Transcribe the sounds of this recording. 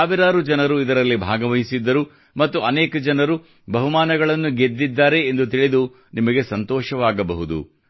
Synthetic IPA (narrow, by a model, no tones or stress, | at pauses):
aːʋiɾaːɾud͡ʒɐnɐɾuid̪ɐɾɐlːibʱaːɡɐʋɐɦisid̪ːɐɾu | mɐt̪ːuʔɐneːkɐd͡ʒɐnɐɾu | bʱɐɦumaːnɐɡɐɭɐnːuɡed̪ːid̪ːaːɾe̞ːnd̪ut̪iɭid̪u | nimɐɡe̞sɐnt̪ɔːʃɐʋaːɡɐbɐɦud̪ṵ